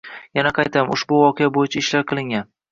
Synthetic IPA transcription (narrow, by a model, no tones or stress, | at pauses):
janaqʰɑjt̪ʰamʊʃbʊwɒqʰejabojɪt͡ʃʰaɪʃlaɾqʰɨlˠɪŋɡʲan